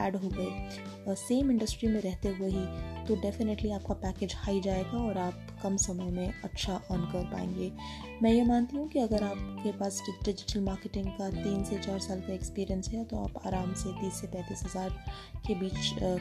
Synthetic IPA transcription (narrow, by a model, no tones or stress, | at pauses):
ɛ̰ːɖɦoːɡɐeː | seːmɪ̃ɳɖəsʈɾimẽɾɛɦt̪eɦueɦit̪oɖɛːfɪneʈliaːp̚kapɛːkeːd͡ʒhaːid͡ʒaːeːɡaɔːɾaːp̚ | kɐmsɐməjmẽɐtːʃʰaʔɔːnkɐɾpa̰ːḛ̃ːŋɡeː | mɛ̃ːjemãːnt̪iɦũkiɐɡəɾaːpkepaːsɖɪd͡ʒɪʈəlmaːɾkeʈɪ̃ŋɡkat̪iːnset͡ʃaːɾsaːlkaekspiːɾijə̃nsɦɛt̪oa̰ːpa̰ːɾaːmsed̪iːsːepɛ̃ːt̪iːsɦɐzaːɾ | kebiːt͡ʃ